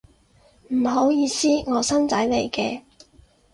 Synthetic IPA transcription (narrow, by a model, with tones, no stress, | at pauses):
m̩˨˩ɦo˨˥wjiː˨˧siː˥ŋɔː˨˧sɐ˥nt͡sɐ˨˥jle˨˩jkɛː˧